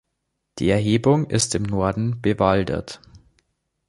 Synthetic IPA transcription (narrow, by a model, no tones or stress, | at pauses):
d̥ḭːɛɐɦeːbʊŋʔɪstɪmnɔɐdn̩b̥əvaldɐ̰t